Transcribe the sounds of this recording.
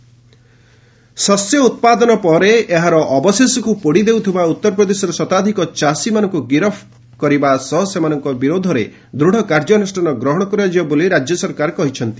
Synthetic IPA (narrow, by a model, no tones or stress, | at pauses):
sɔsjɔut̪̚pad̪ɔnɔpɔɾeːɦaɾɔʔːbɔsesɔkupoɽid̪ewt̪ʰibaut̪ːɔɾɔpɾɔd̪esɔɾɔsɔt̪ad̪ʱikɔt͡ʃasimanɔŋkuɡiɾɔpʰ | kɔɾibasɔɦɔsemanɔŋkɔbiɾod̪ʱɔɾe | d̪ɾuɽ̤ʱɔkaɾd͡ʒɔnisʈanɔɡɾɔɦɔɽ̃ɔkɔɾad͡ʒibɔboliɾad͡ʒjɔsɔɾkaɾkɔɦit͡ʃʰɔnt̪i̥